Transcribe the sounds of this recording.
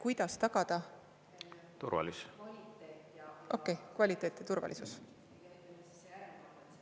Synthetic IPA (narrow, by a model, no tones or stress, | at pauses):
kujd̪̥ɑst̪ɑɡ̥ɑd̪̥ɑ | t̪uɾvɑ̰lis | ʔo̞kːˑejkvɑlʲit̪ːˑe̞ːt̪ːˑit̪urvɑ̰lʔisus